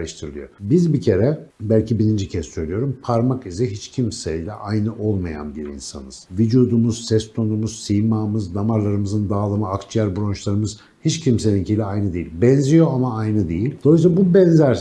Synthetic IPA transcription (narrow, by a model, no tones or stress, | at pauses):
ɯʃt̪ʰɯɾɯlˠɯjo̰bizbicʰe̞ɾɛbælʲcʰibiɾind͡ʒicʰɛssø̞jlʲijo̞ɾumpʰaɾmakizɛɦit͡ʃcʰimsɛilʲɛ̰ʔajnɯʔo̞lˠmaja̰nbiɾḭnsa̰nɯz̥vid͡ʒuːd̪umuz̥sɛst̪ʰo̞numuz̥sijmaːmɯznamaɾlˠaɾɯmɯzɯnd̪aːlˠamɯakt͡ʃʰijæɾbuɾo̞nt͡ʃlˠaɾɯmɯz̥ | hit͡ʃcʰimse̞nincʰijlʲɛajnɯd̪ejilʲbɛnzijo̞amaajnɯd̪ejilʲd̪̥o̞us̬abubɛnzæɾ